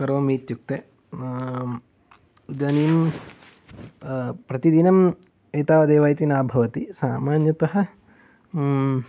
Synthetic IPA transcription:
kɐɾʋɐmiːt̪juk̚t̪e | d͡ʒɐniːm | pɾɐt̪id̪inɐm | eːt̪aːʋɐd̪eːʋaːjt̪inaːbʱɐʋɐt̪isaːmaːnjɐt̪ɐɦɐ̆

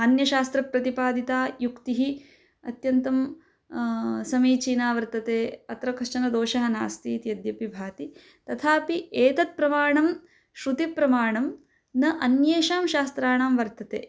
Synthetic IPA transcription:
ɐnjɐʃaːst̪ɾɐpɾɐt̪ipaːd̪it̪aːjukt̪iɦi | ɐt̪jɐnt̪ɐm | sɐmiːt͡ʃiːnaːʋɐɾt̪ɐt̪eːɐt̪ɾɐkɐʂt͡ʃɐnɐd̪oːʃɐɦɐna̰ːst̪iːt̪jɐd̪jɐpibʱaːt̪i | t̪ɐt̪ʰaːpieːt̪ɐt̪̚pɾɐmaːɳɐm | ʃɾut̪ipɾɐmaːɳɐm | nɐʔɐnjeːʃaːmʃaːst̪ɾaːɳaːmʋɐɾt̪ɐt̪ḛː

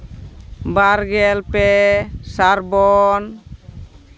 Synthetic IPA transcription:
baɾɡɛlpesaɾbɔn

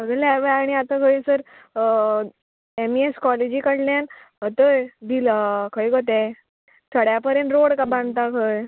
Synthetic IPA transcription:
bəɡəlaʋeaɽ̃iat̪akʰəjsəɾ | emieskɔled͡ʑiːkəɽljan | ɦət̪əjd̪iləkʰəjkot̪ɛj | t̪ʰəɽjapəɾjə̃nɾoɽkabãnd̪t̪akʰəj

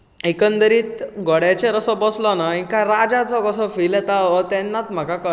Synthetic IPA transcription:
ekənd̪əɾiːt̪ɡɔɽat͡ɕeɾəsɔbɔslɔnaĩkaɾad͡ʑat͡sɔkɔsɔfilɛt̪aʋət̪ɛnːat̪m̤əkakə

